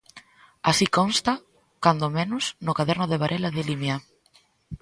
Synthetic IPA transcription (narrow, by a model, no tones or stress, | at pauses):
asikonst̪a | kand̪omenʊsnʊkaðɛɾnʊðeβ̞aɾʔelaðelimja